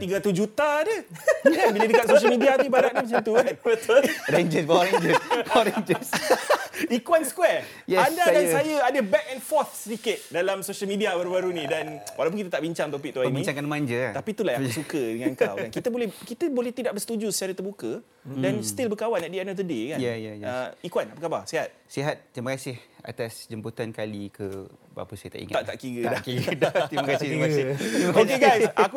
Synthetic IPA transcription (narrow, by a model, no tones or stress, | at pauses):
t̪iɡaɾat̪usd͡ʒut̪adəjanbilədəkat̪̚soʃəlmidiap̪ibaɾaʔ̚ɲamət͡ʃat̪uat̪̚ət̪əɾaɲd͡ʒəsbaɾeɲd͡ʒəsbɾeɲd͡ʒəs | ikuanskwɛr | jɛandadansajəadəbɛk̚ɛnfɔt̪̚səɾikət̪̚dalamsoʃəlmidiabaɾubaɾunĩdanwalawp̬ʊnkit̪at̪aʔbiɲt͡ʃaŋt̪opik̚t̪uaəinbiɲ̃t͡ʃaŋkanmaɲd͡ʒəat̪apit̪ulajasukədəŋankawankit̪əbolɛhkit̪əbolɛht̪idaʔ̚bəsət̪ud͡ʒusaɾət̪ərbukə | danst̪ilbəkawanɛt̪̚diɛnɔfd̪ədekajajajəikuanapəkabasiɦat̪̚siɦat̪̚t̪ːɾiməkasɪha̰t̪asd͡ʒəmput̪ankalikəba̰pəsajət̪aʔḭŋa̰aʔt̪a̰ʔkiɡədakiɡdat̪ɾimakasɪt̪ɾmkasɪmaokeɡajssʔaku